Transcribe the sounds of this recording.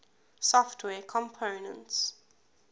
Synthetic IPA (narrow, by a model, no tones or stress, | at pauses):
sɔftʰwɛkʰɔ̃mpʰonə̃nts